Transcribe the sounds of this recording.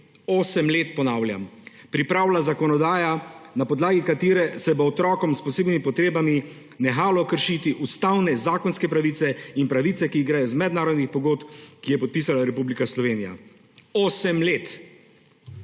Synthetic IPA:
oːsɛmleːt̪̚pɔnaːwlʲja̰m | pɾipɾaːwlazakɔnɔd̪aːjanapɔd̪laːɡikat̪eːɾɛsɛbɔɔt̪ɾɔːkɔmspɔseːbnimipɔt̪ɾeːbami | nɛxaːlɔkəɾʃiːt̪iʔust̪awnɛzaːkɔnskɛpɾaʋiːt̪sɛinpɾaʋiːt̪sɛkiɡɾajɔzmɛd̪naːɾɔd̪nixpɔɡoːt̪kijɛpɔt̪̚piːs̬alaɾɛpublikaslɔʋeːnija̰ | oːsɛmlet̪

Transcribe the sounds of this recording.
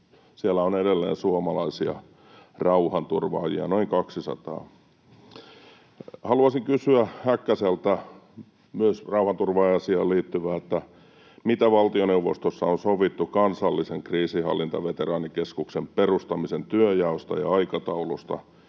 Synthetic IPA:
sielːˑæonedelːḛːnsuomɑlɑisiɑ̰ | rɑuhɑnt̪urʋɑ̰ːjḭɑ̰noiŋkɑksisɑ̰t̪ɑ̰ː | hɑluɑsiŋkysyæhækːæselt̪æ | myøsrɑuhɑnt̪urʋɑːjɑsiɑːliːt̪ːyʋæːet̪ːæ | mit̪æʋɑlt̪ioneuʋost̪osːɑonsoʋit̪ːukɑnsɑlːiseŋkriːsihɑ̰lːint̪ɑʋet̪erɑːnikeskuksemperust̪ɑmisent̪yøjɑost̪ɑ̰jɑ̰ɑikɑt̪ɑulust̪ɑ̰

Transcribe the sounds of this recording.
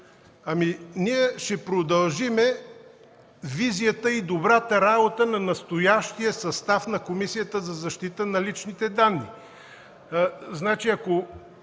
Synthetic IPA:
ɐminiɛʃɛpɾod̪ɐlˠʒimɛ | vizijət̪əid̪obɾat̪əɾabot̪ənɐnɐst̪ojaʃt̪iəsɐst̪afnɐkomisijət̪əzɐzɐʃt̪it̪ənɐlit͡ʃnit̪ɛd̪anːḭ | znat͡ʃiɐko

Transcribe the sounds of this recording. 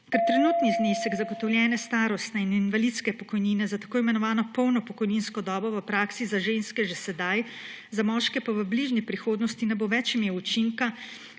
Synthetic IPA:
kɛɾt̪ɾɛnuːt̪nizneːsəɡzaɡɔt̪ɔwljɛːnɛst̪aːɾɔst̪nɛininʋalit̪skɛpɔkɔjniːnɛzat̪ḁkoːimɛnɔʋaːnɔpɔwnɔpɔkɔjninskɔd̪ɔːbɔʋəpɾaːksizaʒenskɛʒɛsɛd̪aj | zamɔːʃkɛpaʋəbliːʒnipɾixoːd̪nɔst̪inɛboʋɛt͡ʃimeːwut͡ʃiŋka

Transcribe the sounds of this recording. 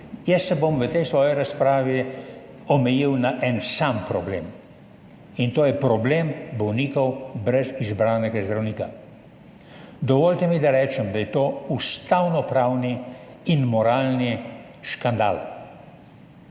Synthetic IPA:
jɛsːɛbomʋət̪ɛjsʋɔːjiɾaspɾaːʋi | ɔmɛjiwnaʔɛnsampɾɔblḛːm | int̪oːjɛpɾɔbleːmbɔwniːkɔwbɾɛzizbɾaːnɛɡazd̪ɾawniːka | d̪ɔʋɔːlt̪ɛmid̪aɾɛːt͡ʃɛmd̪ajɛt̪oːust̪awnɔpɾaːwni | inmɔɾaːlni | ʃkand̪a̰ːl

